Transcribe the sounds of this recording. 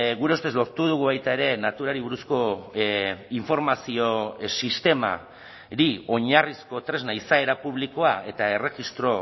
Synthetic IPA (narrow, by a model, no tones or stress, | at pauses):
ɣuɾe̞ust̪e̞zlo̞ɾt̪uð̞uɣ̞uβajt̪ae̞ɾe̞nat̪uɾaɾiβuɾusko̞ | iɱfo̞ɾmasio̞sist̪e̞ma̰ | ɾio̞ɲarisko̞t̪ɾe̞znaisae̞ɾapuβ̞liko̞ae̞t̪ae̞re̞xist̪ɾo̞